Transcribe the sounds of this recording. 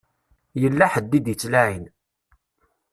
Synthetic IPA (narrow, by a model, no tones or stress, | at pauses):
jəlːaħəd̪ːid̪jət͡sːlæʕin